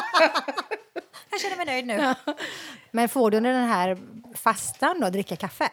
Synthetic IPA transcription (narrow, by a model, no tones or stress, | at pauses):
jaɕɛnːəɾmɛjnœjd̪nʉ̟ː | mɛnfoːɖʉʉnəd̪ɛnɦæːɾfast̪and̪ɔd̪ɾɪkːakʰafːə